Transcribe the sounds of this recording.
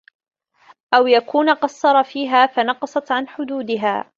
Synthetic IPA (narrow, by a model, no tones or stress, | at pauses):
ʔawjakuːnaqɑsˤːɑɾˤɑfiːɦaːfanɑqɑsˤɑt̪ʕanħʊd̪uːd̪ɪɦa̰ː